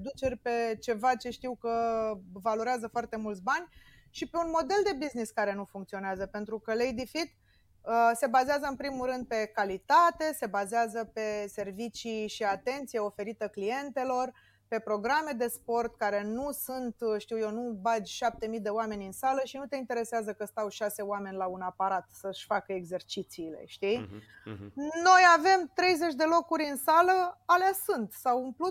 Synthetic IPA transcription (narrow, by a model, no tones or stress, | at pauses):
d̪ut͡ʃe̞rʲpe̞t͡ʃe̞vat͡ʃe̞ʃt̪iwkəvalo̞ɾeazəfoart̪e̞mult̪sbanʲ | ʃipe̞unmo̞d̪e̞ld̪e̞bizniskaɾe̞nufuŋkt̪sio̞neazəpe̞nt̪ɾukəlejd̪ifit̪ | əse̞bazeazəɨnpɾimulɾɨnd̪̚pe̞kalit̪at̪e̞se̞bazeazəpe̞se̞rvit͡ʃiʃiat̪e̞nt̪sije̞o̞fe̞ɾit̪əklije̞nt̪e̞lo̞r | pe̞pɾo̞ɡɾame̞d̪e̞spo̞rt̪kaɾe̞nusunt̪ʃt̪iwjewnubad͡ʒʲʃap̚t̪e̞mijd̪e̞oame̞nʲɨnsaləʃinut̪e̞int̪e̞ɾe̞seazəkəst̪awʃase̞oame̞nʲlaunapaɾat̪səʃʲfakəeɡze̞rt͡ʃit̪siːle̞̰ʃt̪i | no̞jave̞mt̪ɾe̞jze̞t͡ʃʲd̪e̞lo̞kuɾʲɨnsaləaleasunt̪sawunplu